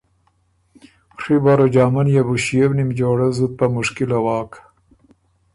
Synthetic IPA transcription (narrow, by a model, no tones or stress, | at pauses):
ʂibaɾod͡ʒɑːmanjabuɕijebnimd͡ʒoːɽazud̪̚pamuʂkilawɑːk